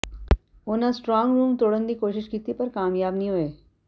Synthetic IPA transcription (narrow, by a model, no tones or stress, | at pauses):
ʊnãsʈɾɔ̃ːŋɡɾuːmt̪oːɽənd̪ikoːʃɪʃkiːt̪ipɐɾkaːmjaːbnĩɦoeː